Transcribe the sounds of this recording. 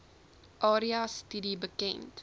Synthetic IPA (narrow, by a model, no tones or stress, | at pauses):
ʔɑːɾiastidibəkɛ̰nt